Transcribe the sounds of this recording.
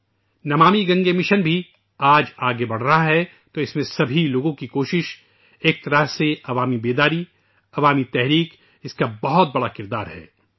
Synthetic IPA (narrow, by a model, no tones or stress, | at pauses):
nɐmaːmiɡɐ̃ŋɡemɪʃənbʱi | aːd͡ʒaːɡebɐɽ̤ɾɐɦaɦɛ | t̪oɪsmẽsɐbʱiloːɡõkikoːʃɪʃ | eːk̚t̪ɐɾəɦseɐʋaːmibeːd̪aːɾi | ɐʋaːmit̪ɛɦɾiːk | ɪskabɐɦɔt̪̚bɐɽakɪɾd̪a̰ːɾɦɛ̰ː